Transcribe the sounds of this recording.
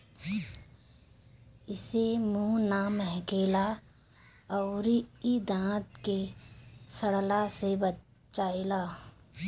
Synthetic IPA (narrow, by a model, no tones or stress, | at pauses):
ɪsemũnaːmɦɛkeːla | ɔːɾid̪ãːt̪ke | səɽlasebə | t͡ʃaːelaː